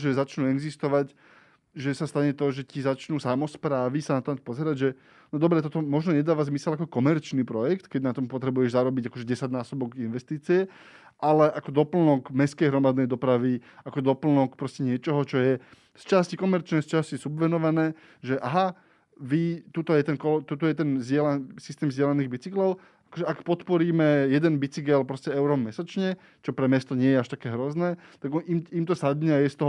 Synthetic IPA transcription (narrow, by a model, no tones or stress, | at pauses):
ʒɛzat͡ʃnuːɛɡzist̪ɔʋaɟ | ʒɛsast̪aɲɛt̪ɔʒɛcizat͡ʃnuːsamɔspɾaːʋisanat̪ɔmapɔzɛɾaɟʒɛ | nɔd̪ɔbɾɛt̪ɔt̪ɔmɔʒnɔɲɛd̪aːʋazmisɛlakɔkɔmɛɾt͡ʃnipɾɔjɛkt̪kɛɟnat̪ɔmpɔt̪ɾɛbujɛʒzaɾɔbiɟakɔʒɛɟɛsaɟnaːsɔbɔɡinʋɛst̪iːt͡siɛ | ʔalɛʔakɔd̪ɔpl̩nɔɡmɛskɛjɦɾɔmad̪nɛjd̪ɔpɾaʋi | akɔd̪ɔpl̩nɔkpɾɔscɛɲɪɛt͡ʃɔɦɔt͡ʃɔjɛ | st͡ʃascikɔmɛɾt͡ʃnɛst͡ʃascisubʋɛnɔʋanɛː | ʒɛʔaɦa | ʋit̪ut̪ɔjɛt̪ɛnkɔt̪ut̪ɔjɛt̪ɛnzɪɛlasist̪ɛːmzjɛlaniɣbit͡siklɔʊ | akɔʒɛʔakpɔt̪pɔɾiːmɛjɛd̪ɛnbit͡siɡɛlpɾɔscɛɛʊɾɔmmɛsat͡ʃɲɛ | t͡ʃɔpɾɛmɛst̪ɔɲɪɛjɛaʃt̪akɛːɦɾɔznɛː | t̪aɡimimt̪ɔsad̪ɲɛajɛst̪ɔɦ